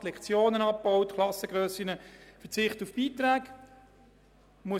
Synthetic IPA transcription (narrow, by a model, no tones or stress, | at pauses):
tlɛkχt͡sjoːnənɑp̚bɔʊtkʰlɑsəɡ̥ʁœːsinəfɛt͡sɪχtufb̥iːt̪ʁæːk | muə